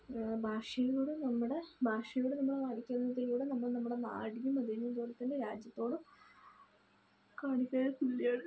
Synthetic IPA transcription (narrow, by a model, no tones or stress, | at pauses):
bʱaːʂɐjɐluɽenɐmːuɽe̞bʱaːʂɐjuɽenɐmːuɭenalikʲːɐnːɐðilkuːɽenɐmːɐɭnɐmːuɽe̞na̰ːɽijumɐd̪iumt̪uːɾɐt̪ːindeɾaːd͡ʑjɐt̪ːo̞ːɽɨ | kaːɳikʲːɐkulːjaːɳ